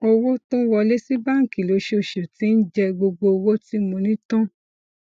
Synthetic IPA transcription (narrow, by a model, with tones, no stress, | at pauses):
o˧wo˦tũ˦wɔ˧le˦si˦ba˦˨ŋ̩˨ki˨lo˨˦ʃe˦˧o˧˨ʃo˨ti˨˦n̩˦d͡ʒɛ˦ɡ͡bo˧ɡ͡bo˧wo˦ti˦mõ˧nĩ˦tã˦